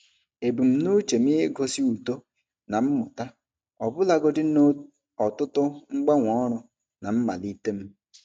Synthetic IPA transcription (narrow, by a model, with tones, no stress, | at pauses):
e˨bu˨m̩˨no˦t͡ʃe˨m̩˦i˦e˦ɡo˦si˦u˨to˦ | na˨m̩˦mʊ˨ta˦ | ɔ˨bʊ˦la˦ɡɔ˦dɪ˦n˦ | ɔ˨tʊ˦tʊ˦ŋ͡m̩˦ɡ͡ba˦ŋʷɔ˦ɾʊ˦ | na˨m̩˦ma̰˨li˦te˦m̩˦